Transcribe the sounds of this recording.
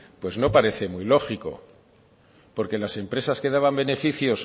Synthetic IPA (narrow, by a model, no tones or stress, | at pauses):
pwe̞zno̞paɾe̞θe̞muilo̞xiko̞̰ | po̞ɾke̞lase̞mpɾe̞saske̞ð̞aβambe̞ne̞fiθjo̞s